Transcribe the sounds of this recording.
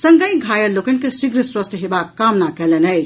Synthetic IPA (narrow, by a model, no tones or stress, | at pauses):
səŋɡəjɡʱajəlokenkesiɡɾəswɐst̪ʰɦebakːamnakɛlenɐjt͡ʃʰ